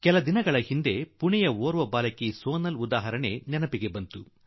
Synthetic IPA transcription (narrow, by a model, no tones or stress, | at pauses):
kɛlɐd̪inɐɡɐɭɐhind̪e̞puɳɛjɐoːɾʋɐbaːlɐkisoːnɐlud̪aːɦɐɾɐɳe̞̰nɛnɐpiɡe̞bɐnt̪u